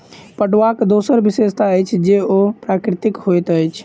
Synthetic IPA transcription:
pəʈʋakd̪osəɾbisest̪ʰaəjt͡ʃʰd͡ʒeopɾakɾɪt̪ikhojt̪əjt͡ʃʰ

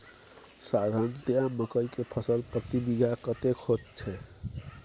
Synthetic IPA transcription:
sad̪ʱant̪jãməkəikepʰəsəlpɾət̪ibiɡʱakət̪ekʰot̪t͡ʃʰɛ

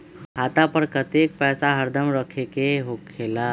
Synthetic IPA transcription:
ɦat̪apəɾkət̪ek̚pɛːsaɦəɾd̪ʱəmɾəkʰekeɦokʰːela

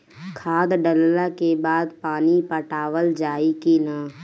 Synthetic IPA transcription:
kʰaːd̪ɖəlːakebaːd̪paːnipəʈaːʋəld͡ʒaːikinaː

